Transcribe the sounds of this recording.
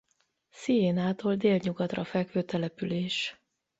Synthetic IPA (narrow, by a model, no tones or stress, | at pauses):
sijeːnaːt̪oːld̪eːlɲuɡɒt̪rɒfɛkføːt̪ɛlɛpyleːʃ